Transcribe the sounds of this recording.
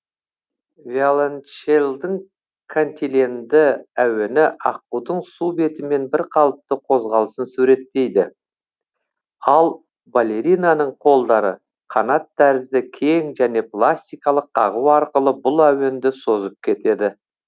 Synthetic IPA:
valˠanʃelˠd̪əɴ | kʰont̪ʲilʲend̪ɪæwe̞nɪʔɑq̚uwd̪əɴsube̞t̪ɪme̞nbɪɾqʰɑlˠəp̚t̪əqʰo̞zʁɑlˠəsənsʉɾe̞t̪ːe̞jd̪ɪ̰ | ɑlˠ | balʲe̞ɾijnanəɴqʰo̞lˠd̪ɑɾə | qʰɑnɑt̪ːæɾɪzd̪ɪkʲʰe̞ŋʒæne̞plˠasʲt̪ijkɑlˠəqːɑʁəwɑɾqəlˠəbʊlˠæwe̞nd̪ɪso̞zəp̚kʲʰe̞t̪e̞d̪ɪ

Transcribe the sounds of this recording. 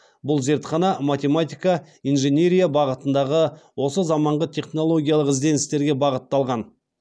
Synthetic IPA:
bʊlˠze̞ɾt̪χɑnɑmat̪ʲe̞mat̪ʲijkɑ | ijnʒe̞nʲe̞ɾʲijabɑʁət̪ənd̪ɑʁəwo̞səzɑmɑɴʁət̪ʲʰe̞χno̞lˠo̞ɡʲijalˠəqɪzd̪e̞nɪst̪e̞ɾɡʲe̞bɑʁət̪ːɑlˠʁɑn

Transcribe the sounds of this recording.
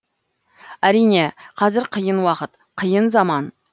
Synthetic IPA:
æɾijne̞qʰɑzɪɾqʰəjənwɑqət̪ | qʰəjənzɑmɑn

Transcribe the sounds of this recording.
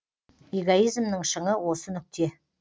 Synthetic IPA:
eɡoijzmnəɴʃəɴəwo̞sənʏk̚ʲt̪ʰe̞

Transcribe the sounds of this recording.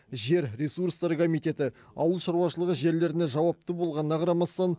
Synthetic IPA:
ʒe̞ɾɾʲesuɾst̪ɑɾkʰomijt̪e̞t̪ɪ | ɑ̰wəlˠʃɑɾuwɑʃəlˠəʁəʒe̞ɾle̞ɾɪne̞ʒɑwɑp̚t̪əbolˠʁɑnənɑqʰɑɾɑmɑst̪ɑn

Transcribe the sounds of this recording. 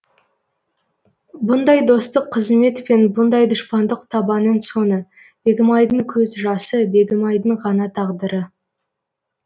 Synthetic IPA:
bʊnd̪ɑjd̪o̞st̪əqʰːəzme̞t̪pe̞nbʊnd̪ɑjd̪ʊʃpɑnd̪əqt̪ʰɑbɑnːəɴso̞nə | b̥e̞ɡʲɪmɑjd̪əɴkʲʰɵzʒɑsəbe̞ɡʲɪmɑjd̪əɴʁɑnɑt̪ʰɑʁd̪əɾə

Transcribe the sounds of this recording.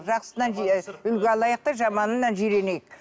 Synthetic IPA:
ʒɑqsənɑnʏlɡʲeɑlˠɑjəq̚t̪ɑʒɑmɑnənːɑnʒiɾenejɪk

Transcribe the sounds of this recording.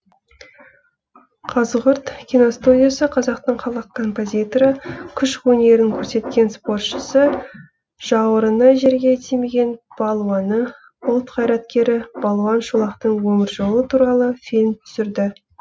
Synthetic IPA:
qʰɑzʁʊɾt̪kʲinost̪udʲijasəqʰɑzɑqt̪əɴqʰɑlˠɑqkʰːo̞mpo̞zʲit̪oɾəkʲʰʏʃwɵne̞ɾɪŋkʲʰɵɾse̞t̪̚kʲe̞nspo̞rt̪ʃəsə | ʒ̥ɑwəɾənɑʒe̞ɾɡʲe̞t̪ʰemeɡʲe̞nb̥ɑlˠwɑnə | ʊlˠt̪qʰɑjɾɑt̪̚kʲe̞ɾɪb̥ɑlˠwɑnʃulˠɑqt̪əɴwɵmʲɪɾʒo̞lˠət̪ʰuɾɑlˠəfilʲmt̪ʰʏ̥sɪɾd̪ɪ

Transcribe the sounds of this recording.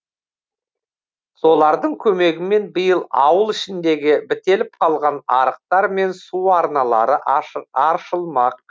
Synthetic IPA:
so̞lˠɑɾd̪əɴkʲʰɵme̞ɡʲɪme̞nbəjəlˠɑ̰wəlˠɪʃɪnd̪e̞ɡʲɪbɪt̪e̞lɪp̚qʰɑlˠʁɑnɑɾəq̚t̪ɑɾme̞nsuɑɾnɑlˠɑ̰ɾəʔɑɾʃəlˠmɑq̚

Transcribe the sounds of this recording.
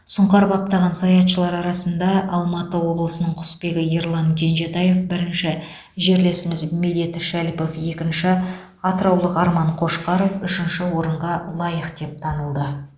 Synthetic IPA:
sʊɴqɑɾbɑp̚t̪ɑʁɑnsɑjɑt̪ʃəlˠɑɾɑɾɑsənd̪ɑʔɑlˠmɑt̪əwo̞blˠəsənəɴqʰʊ̥spe̞ɡʲɪje̞ɾlˠɑŋkʲʰe̞nʒe̞t̪ɑje̞fbɪɾɪnʃɪ | ʒe̞ɾle̞sɪmɪzme̞d̪et̪ɪʃælpo̞fje̞kʲɪnʃɪ | ɑt̪əɾɑwlˠəqɑɾmɑɴqʰo̞ʃqɑɾofʏʃɪnʃɪwo̞ɾəɴʁɑlˠɑjəqd̪̥e̞p̚t̪ʰɑnəlˠd̪ə

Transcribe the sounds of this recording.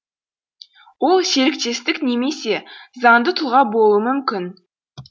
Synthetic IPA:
wo̞lˠse̞ɾɪk̚t̪e̞st̪ɪkne̞me̞se̞zɑɴd̪ət̪ʰʊlˠʁɑbo̞lˠuəmʏmkʲɪn

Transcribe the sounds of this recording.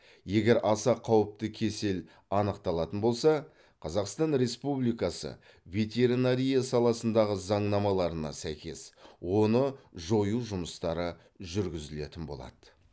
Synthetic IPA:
je̞ɡʲe̞ɾɑsɑqʰɑwəp̚t̪əkʲʰe̞se̞l | ɑnəqt̪ɑlˠɑt̪ənbo̞lˠsɑ | qʰɑzɑqst̪ɑnɾe̞spublijkɑsə̰ | vʲe̞t̪ʲe̞ɾinaɾʲijasɑlˠɑsənd̪ɑʁəzɑɴnɑmɑlˠɑɾənɑ̰sæjkʲe̞swo̞nəʒo̞juʒʊməst̪ɑɾə | ʒʏɾɡʲɪzɪle̞t̪ɪnbo̞̰lˠɑ̰d̪̥ə

